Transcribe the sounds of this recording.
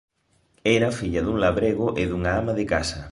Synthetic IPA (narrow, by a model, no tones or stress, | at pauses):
ɛɾɐfiʎɐðuŋlaβɾeɣʊʔɪðuŋaamɐðɪkasɐ